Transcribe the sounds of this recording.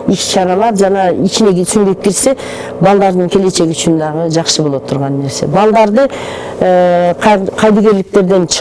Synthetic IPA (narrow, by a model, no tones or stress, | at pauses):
iʃʃɑɾɑlˠɑɾd͡ʒɑnɑit͡ʃɪne̞ɡʲsʏnd̪e̞p̚kʲʰeɾse̞ | bɑlˠd̪ɑɾd̪əɴkʲʰe̞le̞t͡ʃe̞ɡʲɪʃt͡ʃʊnd̪ɑʁəd͡ʒɑqʃəbolˠot̪ʰːʊɾʁɑnːe̞ɾse̞̰bɑlˠd̪ɑɾd̪ə | qʰqʰɑjd̪əɡʲe̞ɾlɪk̚t̪e̞ɾd̪e̞nt͡ʃʰ